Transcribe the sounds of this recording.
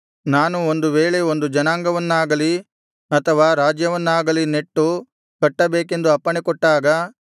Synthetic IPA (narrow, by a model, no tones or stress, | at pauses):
naːnuond̪uʋeːɭeond̪ud͡ʒɐnaːŋɡɐʋɐnːaːɡɐli | ɐt̪ʰɐʋaːɾaːd͡ʒjɐʋɐnːaːɡɐline̞ʈːu | kɐʈːɐbeːke̞nd̪uɐpːɐɳekɔʈːaːɡɐ